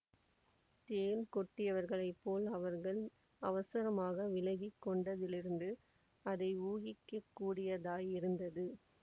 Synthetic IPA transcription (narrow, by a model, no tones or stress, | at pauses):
t̪eːlkɔʈːɪjɐʋɐɾɣɐɭɐɪpːoːlɐʋɐɾɣɐɭ | ɐʋɐsɐɾɐmaːɣɐʋɪlɐɣɪkːɔɳɖɐðɪlɪɾɯnd̪ɯ | ɐðɐɪuːɣɪkːɐkːuːɽɪjɐðaːjɪɾɯnd̪ɐðɯ